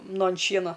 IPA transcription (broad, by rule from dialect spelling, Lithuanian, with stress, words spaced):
ˈnʊ ɐn ˈʃʲiɛnɐ